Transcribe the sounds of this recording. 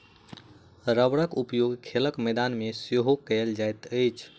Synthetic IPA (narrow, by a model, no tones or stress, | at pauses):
ɾəʋɽəkupjoɡkʰeləkməd̪anmesjoɦokɛld͡ʒajt̪əjt͡ʃʰ